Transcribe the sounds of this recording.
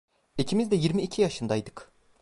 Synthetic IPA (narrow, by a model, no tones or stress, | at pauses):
icʰimizd̪ɛjiɾmiːcʰijaʃɯnd̪ajd̪ɯk